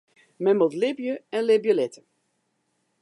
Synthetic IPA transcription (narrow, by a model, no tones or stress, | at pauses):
mɛmɔtlɪbjəɛnlɪbjəlɛtə̥